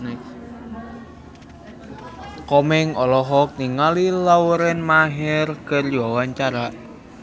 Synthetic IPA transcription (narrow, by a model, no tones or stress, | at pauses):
ne | kɔmɪŋɔlɔɦɔk̚niŋalilawuɾɛnmaɦɛrkərjɔwant͡ʃaɾaʔ